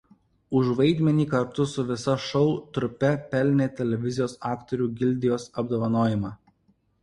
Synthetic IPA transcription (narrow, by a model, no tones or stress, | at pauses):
ʊʒʋɐɪd̪ʲmʲɛnʲiːkɐɾt̪ʊsʊʋʲɪsɐʃɔʊt̪ɾʊpʲɛpʲɛlʲnʲeːt̪ʲɛlʲɛʋʲɪzʲɪjoːsɑːkt̪ɔɾʲuːɡʲɪlʲd̪ʲɪjoːsɐbd̪oːʋɐnoːjɪmɑː